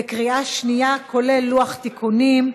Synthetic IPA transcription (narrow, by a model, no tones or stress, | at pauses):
ekʁiaʃnijakʰo̞lelːuaχt̪ikʰunim